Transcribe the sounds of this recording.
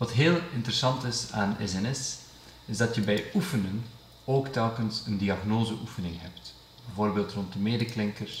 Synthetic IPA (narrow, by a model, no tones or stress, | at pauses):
ʋɑtɦeːlˠɪntəɾəsɑntɪsaːnɛ̰sɛnɛs | ɪzdɑtjəbɛjufənən | oːktɛlˠkənsəndiɑɣnoːzəʔufənɪŋɦɛpt | bɛvoːrbeːlˠtrɔnt̚dəmeːdəklɪŋkərs